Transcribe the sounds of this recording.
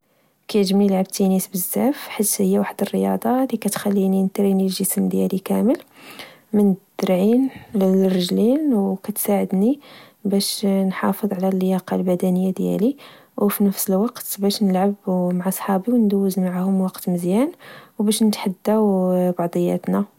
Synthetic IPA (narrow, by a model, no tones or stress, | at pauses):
kæjʒmiəlʕab̚t̪inisbəzːæfħit̪həjːæwaħd̪ərːəjɑ̰d̪ˤɑlikæt̪xælːinint̪ɾinilʒəsmd̪jælikæməl | mənd̪əɾʕinlərːəʒlinwkæt̪saʕəd̪ni | bæʃnħɑfəðˤʕlælːəjɑqɑlbæd̪ænəjːad̪jæ̰li | wfinəfsəlwɑqt̪bæʃnəlʕabmaʕasˤħɑbiwnd̪æwːəzmaʕahʊmwɑqt̪məzjænwbæʃnət̪ħad̪ːawbɑʕd̪ˤəjːæ̰t̪næ